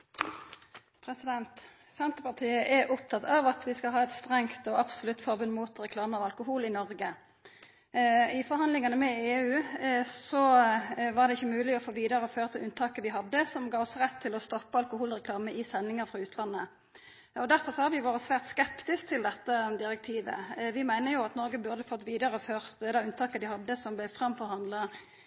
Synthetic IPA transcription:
pʰɾɛsɪd̪ɛnt̪ | sɛnt̪əʁpɑʁt̪ʰiːəʔɛʔɔp̚t̪ʰɑt̪ʰɑʋɑt̪ʋɪskɑlɦɑːɛt̪st̪ʁɛŋt̪ɔʔɑpsɔlʉt̪ːfɔʁbʉnmut̪ʁɛkʰlɑːməɑʋɑlkʊhuːlɪnɔʁɡə | ɪfɔɾhɑnd̪lɪŋɑnəmɛeːʉːsɔʋɑʁd̪ɛɪçːəmʉːlɪɔfoːʋiːd̪ɑɾəɔføːɾət̪ʰɪlʔʉnt̪ʰɑːkəʋɪɦɑd̪ːəsɔmɡɑːɔsʁɛt̪ʰːɪlɔst̪ɔpːəɑlkʊhuːlʁɛkʰlɑːməʔɪsɛnːɪŋəɾfɾɑʉːt̪ʰlɑnːə | ɔd̪æɾfɔʁsɔhɑɾʋɪʋoːɾəsʋæːʁt̪skɛpt̪ɪskt̪ʰɪld̪ɛt̪ːəd̪ɪɾɛk̚t̪ʰiːʋə̰ʋɪmæɪnəʁjʊɑt̪nɔɾɡəbʉɾd̪əfɔt̪ːʋiːd̪ɑʁəɔføːʁd̪ɛʉnt̪ʰɑːkəd̪ɪhɑd̪ːəsɔmblɛfɾɑmfɔɾhɑnd̪lɑ

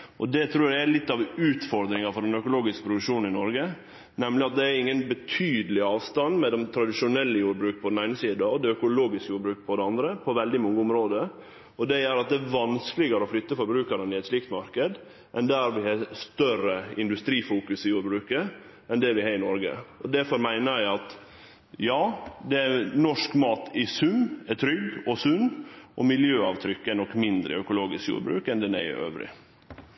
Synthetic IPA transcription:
ʔɔd̪ɛt̪ʰɾuːɾæælɪt̪ːɑʋʉːt̪fɔɾd̪ɾɪŋɑfɔɾɖ̪ɛnœkʊloːɡɪskə̥pʰɾʊd̪ʉkʂuːnn̩ɪnɔɾɡə | nɛmlɪɑt̪̚d̪ɛæɾɪŋːənbət̪ʰyːd̪əlɪɑːʋst̪ɑnd̪mɛd̪ɛmt̪ʰɾɑd̪ɪʃʊnɛlːəjuːɾbɾʉːk̚pʰɔd̪ɛnæɪnəsiːd̪ɑɔd̪ɛœkʊloːɡɪskjuːɾbɾʉːk̚pʰɔd̪ɛɑnd̪ɾəpʰɔʋɛld̪ɪmɔŋːəʊmɾoːd̪ə | ɔd̪ɛjæːɾɑt̪̚d̪ɛːɾʋɑnskəlɪɡəɾəɔflʏt̪ːəfɔɾbɾʉːkəɾənɪɛt̪sliːk̚t̪mɑɾkəd̪ | ʔɛnd̪æːɾʋɪhɑːst̪œɾəɪnd̪ʉst̪ɾiːfuːkʉsɪjuːɾbɾʉːkə | ɛnd̪ɛʋɪhɑːɪnɔɾɡə̰ɔd̪æɾfɔɾmæɪnəɾæɪɑt̪ | jɑːd̪ɛænɔʂkmɑːt̪ʰɪsʉnːɛt̪ʰɾʏɡɔsʉnːʔɔmɪljøːɑːʋt̪ʰɾʏkːəɛnɔkːmɪnd̪ɾə̰œkʊloːɡɪskjṵːɾbɾʉ̰ːkɛnd̪ɛnæ̰ɪ̰ʔø̰ːʋɾɪ̰

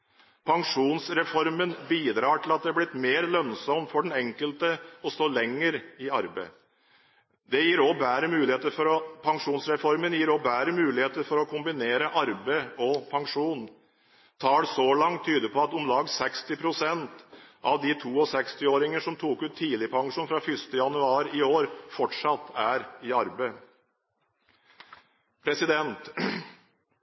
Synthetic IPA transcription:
pʰɑŋʂuːnsɾɛfɔɾmənbiːd̪ɾɑːʈʰɪlɑt̪̚d̪ɛæblɪt̪meːɾlœnsɔmfɔɖɛnɛŋkəlt̪əɔst̪oːlɛŋːəɾɪɑɾbəɪ | d̪ɛjiːɾɔbæːɾəmʉːlɪheːt̪əɾfɔɾɔpʰɑŋʂuːnsɾɛfɔɾmənjiːɾɔbæːɾəmʉːlɪheːt̪əɾfɔɾɔkʰʊmbɪneːɾəʔɑɾbəɪɔpʰɑŋʂuːn | t̪ʰɑːɽsɔlɑŋt̪ʰːyːd̪əpʰɔɑt̪ʊmlɑːɡsɛkst̪ɪpʰɾʊsɛnt̪ɑʋd̪it̪ʰuːɔsɛkst̪ɪoːɾɪŋəʂɔmt̪ʰuːkʉːt̪ʰːiːlɪpʰɑŋʂuːnfɾɑfʏst̪əjɑnʉɑːɾɪoːɾfɔʈʂɑt̪ːæɾɪɑɾbə | pʰɾɛsɪd̪ɛnt̪

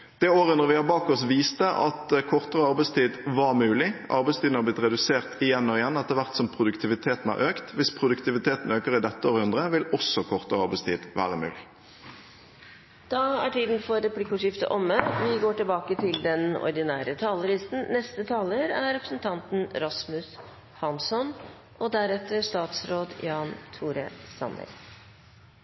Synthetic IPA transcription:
d̪̥ɛoːɾənɔʁʋɪhɑbɑːkɔsʋiːst̪əʔɑ̰t̪kʰɔʁt̪əʁəɑʁbæɪst̪ʰiːd̪ʋɑɾmʉːlɪʔɑ̰ɾbæɪst̪iːd̪nəhɑblɪt̪ɾɛd̪ʉseːʁt̪ɪjɛnːɔɪjɛnːɛt̪əʋæʁt̪sɔmpʰɾʊd̪ʉkt̪ʰɪʋɪt̪ʰeːt̪n̩æ̰ʁʔøːkt̪ʋɪspʰɾʊd̪ʉkt̪ɪʋɪt̪ʰeːt̪n̩øːkəɾɪd̪ɛt̪ːəoːɾəhʉnd̪ʁəʋɪlɔsːɔkʰɔʁt̪əʁəɑʁbæɪst̪ʰḭːd̪ʋæ̰ːʁəmʉ̰ːlɪ | d̪̥ɑæʈʰiːd̪n̩fɔɾɛpʰlɪkːʊːʂɪft̪ə̰ʔɔmːənʋɪɡoːʈɪlbɑːkət̪ʰɪld̪ɛnɔ̰ɾd̪ɪnæːɾət̪ʰɑːləɾɪsn̩nɛst̪ət̪ʰɑːləɾæɾɾɛpɾəsənt̪ʰɑnt̪n̩ɾɑsmʉs | hɑnsɔn | ʔɔd̪æɾɛt̪ːəʂt̪ɑːt̪sɾoːd̪jɑːnt̪ʰuːɾəsɑ̰nːə̰ɾ

